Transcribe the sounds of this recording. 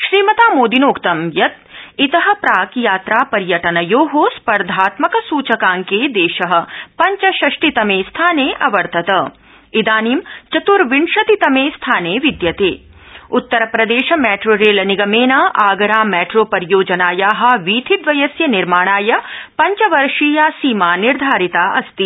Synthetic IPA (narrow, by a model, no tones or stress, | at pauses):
ʃɾiːmɐt̪aːmoːd̪inoːkt̪ɐmjɐt̪̚it̪ɐɦɐ̆pɾaːkjaːt̪ɾaːpɐɾjɐʈɐnɐjoːɦoːspɐɾd̪ʱaːt̪mɐkɐsuːt͡ʃɐkaːŋkeːd̪eːʃɐɦɐ̆pɐɲt͡ʃɐʃɐʃʈit̪ɐmeːst̪ʰaːneːʔɐʋɐɾt̪ʰɐt̪ɐ | id̪aːniːmt͡ʃɐt̪uɾʋiɳʃɐt̪it̪ɐmeːst̪ʰaːneːʋid̪jɐt̪eː | ut̪ːɐɾɐpɾɐd̪eːʃɐmɛːʈɾoːɾeːlɐniɡɐmeːnɐaːɡɐɾaːmɛːʈɾoːpɐɾjoːd͡ʒɐnaːjaːɦɐ̆ʋiːt̪ʰid̪ʋɐjɐsjɐniɾmaːɳ̃aːjɐpɐɲt͡ʃɐʋɐɾʂiːjaːsiːmaːniɾd̪ʱaːɾit̪aːʔɐst̪i